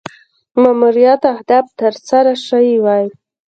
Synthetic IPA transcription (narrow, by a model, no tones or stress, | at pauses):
mamuɾijat̪ahd̪ɑb̚t̪əɾsaɾaʃaiwɑj